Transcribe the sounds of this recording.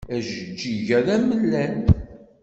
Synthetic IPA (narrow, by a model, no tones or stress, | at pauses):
æʒəd͡ʒiʝæɾæməlːæn